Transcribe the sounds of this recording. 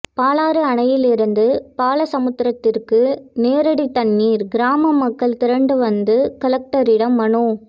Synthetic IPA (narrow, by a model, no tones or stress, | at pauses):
paːlaːɾɯɐɳɐjɪlɪɾɯnd̪ɯpaːlɐsɐmɯt̪ːɪɾɐt̪ːɪrkɯneːɾɐɽit̪ːɐnːiːɾɡɪɾaːmɐmːɐkːɐɭt̪ɪɾɐɳɖɯʋɐnd̪ɯkɐlɐk̚ʈɐɾɪɽɐmːɐɳu